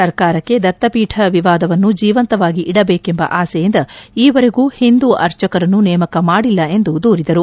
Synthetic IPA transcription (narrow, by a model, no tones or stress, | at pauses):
ɐɾkaːɾɐkːe̞d̪ɐt̪ːɐpiːʈʰɐʋiʋaːd̪ɐʋɐnːud͡ʒiːʋɐnt̪ɐʋaːɡiʔiɽɐbeːkembɐ̰ʔaːsɛjind̪ɐiːʋɐɾe̞ɡuːhind̪uʔɐɾt͡ʃɐkɐɾɐnːunɛːmɐkɐmaːɽilːɐe̞nd̪ud̪uːɾid̪ɐɾu